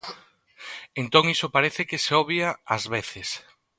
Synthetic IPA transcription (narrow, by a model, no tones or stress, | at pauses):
ent̪oŋisopaɾeθɪkɪseɔβjaazβeθɪs